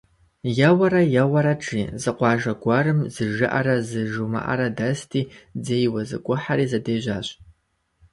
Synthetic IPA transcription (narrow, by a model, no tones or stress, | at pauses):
jawaɾajawaɾaʈ͡ʂʼizɨqʷɑːʒaɡʷaɾɨmzɨʒɨʔaɾazɨʒuma̰ʔa̰ɾadastʰʼiːd͡zejwazɨ̰kʷʼʊħaɾiːzadeːʒʷaːɕʷʼ